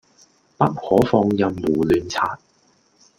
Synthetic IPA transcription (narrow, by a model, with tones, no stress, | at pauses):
pɐ˥t̚hɔː˨˥fɔː˧ŋjɐ˧mwuː˨˩lyː˨˧nt͡sʰaː˧t̚